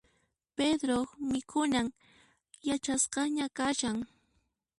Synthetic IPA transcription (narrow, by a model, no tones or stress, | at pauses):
ped̪ɾoχmɪkʰʊnaŋ | jat͡ʃasqɑɲakaʃaŋ